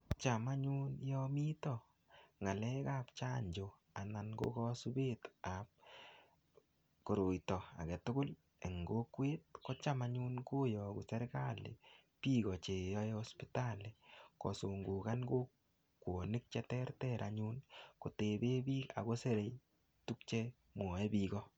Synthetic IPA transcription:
t͡ʃama˦ɲu˦njɔmi˦tɔ | ŋa˨lɛ˦ka˦p̚t͡ʃa˦ɲd͡ʒo˨ | a˨na˨nɡo̰˦kɔsu˦betap̚ | ko˨ɾo˨jtɔ˨a̰˨kɛ˨tʊ˦kʊ˦l | e˨ŋɡo˦kwe˦t̚ko˦t͡ʃa˦maɲu˦nko˦jɔ˨ku˨sɛ˦ɾka˦lḛ˨ | pi˦ɣɔt͡ʃe˨jɔjɔspitalekɔ̰˨soŋɡuː˨kanɡo˦ | kwo˨nɪ˦k̚t͡ʃɛ˦tɛ˦rtɛɾʔa̰ɲu˦nko˨te˨be˦biː˦ka̰˨ko˦se˦ɾe˨j | tuk̚t͡ʃɛ˦ | mu˨ɔ˨ɛ˦biːɡɔ

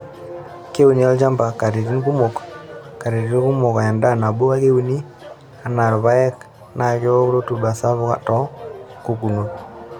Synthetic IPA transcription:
ke˦u˦ni˦a˦ld͡ʒa˦mba˨ka˨ɾi˨ɾi˦nku˦mo˨kka˨ɾi˨ɾi˦ku˦mo˨ka˨ja˨nda˦˨na˨bo˦a˦ke˦u˦ni˦ | a˨na˨ɾβa˦ɛ˦k | na˨kjɔ˦ɾo˦tu˨ba˨sa˦βʊ˦ka̰˦tɔ˦ku˨ku˨no˨

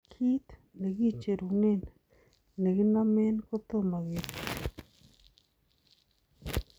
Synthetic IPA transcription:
kʰi˦t̪ | ne˨ɡi˦t͡ʃe˨ɾu˨ne˦n | ne˨ɡi˦na˦me˦nko˦t̪o˦ma˨ɣi˨ɾ

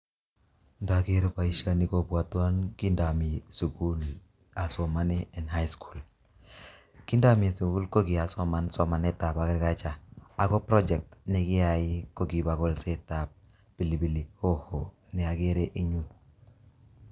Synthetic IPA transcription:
nda˨ɡe˦ɾpa˨i˦ʃa˦ni˦ko˦bwa˨twa˦nki˦nda˨mi˨su˨ku˦l | a˨sɔ˨ma˦nɛ˦ɛ˨nɦa˦jskʰu˨l | ki˦nda˦mi˨su˨ɡu˦lko˦ɡɪ˨a˨sɔ˦ma˨nsɔ˨ma˨nɛ˦ta˨pa˨kɪ˦ɾka˦t͡ʃa˨a˨ɡɔ˦pɾɔ˦d͡ʒɛ˨k̚tnɪ˦kɪ˦a˨ɪ˦ko˦ɡi˨ba˨ɡɔ˦lse˦ta˨p̚ | b̥i˨li˨bi˨li˨ho˦ho˨ | nɪ˨a˨ɡe˦ɾe˦ʔi˦ɲu˦

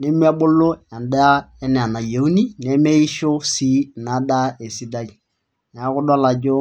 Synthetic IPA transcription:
ne˦mi˦a˦bʊ˦lːʊ˦a˨nda˦ɛ˦n˨a˨na˨jo˨u˦ni˦ne˨˦me˦i˦ʃʊ˦si˦˨na˨da˦e˨si˦da˦d͡ʒ | n˨a˨˦kʊ˦dɔ˦la˨d͡ʒʊ˦

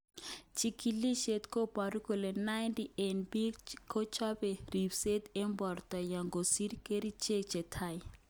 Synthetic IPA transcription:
t͡ʃʰikili˦ʃe˨t̪ko˦pa˨ɾu˦ko˨lɛ˨na˦jntiʔɛ˨nbi˦kkʰo˦t͡ʃʰa˦be˨ɾi˨bse˦t̪ɛ˦mbɔ˨rta˨ja˨ŋɡo˨si˦ɾike˦ɾi˦t͡ʃe˦k̚t͡ʃɛ˨tʰa˦˨j

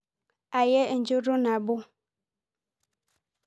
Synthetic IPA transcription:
a˨je˦n̩˨d͡ʒo˦ɖo˦n˨ã˨bo˦

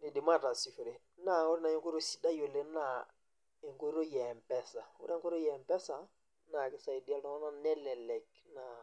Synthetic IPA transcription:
ni˨di˨ma˦˨ta˨si˨fu˨ɾe˨ | na˦˨u˦ɾna˨ji˦ŋku˦ɾo˦si˦da˦jo˨le˦na˦˨ | i˨ŋku˦ɾo˦jɛ˨mpɛ˦sa˨wṵ˦ɾe˦ŋku˦ɾo˦jɛ˨mpɛ˦sa˨ | na˨ki˨sa˨i˨di˦a˦lta˨˦o˦na˦nɛ˦lɛ˨lɛ˨k̚ | na˨

